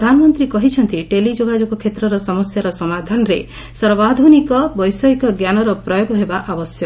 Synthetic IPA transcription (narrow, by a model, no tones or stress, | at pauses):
d̪ʱanɔmɔnt̪ɾikɔɦit͡ʃʰɔnt̪iʈelid͡ʒoɡad͡ʒoɡɔkʰːet̪ɾɔɾɔsɔmɔsjaɾɔsɔmad̪ʱanɔɾe | sɔɾbad̪ʱunikɔbɔjsɔikɔɡjanɔɾɔpɾɔjoɡɔɦebaʔabɔsjɔ